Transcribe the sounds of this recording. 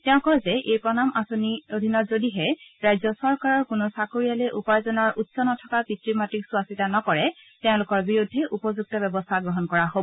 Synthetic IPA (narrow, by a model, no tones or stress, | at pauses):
tɛʊ̃kɔjzɛʔejpɹɔnamʔasoniodʱinɔtzodiɦɛɹajzɔsɔɹkaɹɔɹkʊnɔsakoɹijalejʔupajzɔnɔɹʔutsɔnɔtʰɔkapitɹimatiksuasitanɔkɔɹɛ | tɛʊ̃lʊkɔɹbiɹudʱːɛʔupɔzuɡ̚tɔbɛbɔstʰaɡɹɔɦɔnkɔɹaɦobɔ